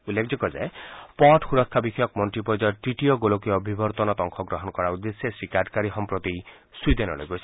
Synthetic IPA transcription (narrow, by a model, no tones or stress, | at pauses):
ulːekʰd͡ʒɔkɔza̰epɔʈxuɾɔkʰːabikʰɔjɔkmɔnʈɾipɔjd͡ʒɔɾʈɾiʈijɔɡolokiɔbʱibɔɾt̪ɔnɔt̪ɔŋkʰɔɡɾɔɦɔnɔkɔɾaud̪esesɾikaɾɖkaɾixɔmpɾot̪i | sujd̪enɔ̰lḛjɡosʰi̥